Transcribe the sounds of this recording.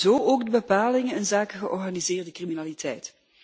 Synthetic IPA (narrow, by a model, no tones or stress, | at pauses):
zoːʔoːɡdəbəpaːlɪŋənɪnzaːkəɣəʔɔrɣaːnizɪːrdəkriminaːlitʰɛjt